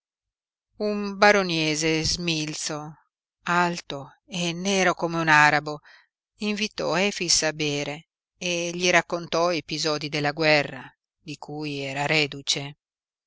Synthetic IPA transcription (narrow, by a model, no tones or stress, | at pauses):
umbaɾonjɛːzezmilt̪so | alt̪o | enːɛːɾokomeunaːɾabo | iɱvit̪ɔ̰ɛːfisabeːɾe | eʎiɾakːont̪ɔepizɔːd̪id̪elːaɡwɛrːa | d̪ikʰuːjɛːɾaɾɛːd̪ut͡ʃe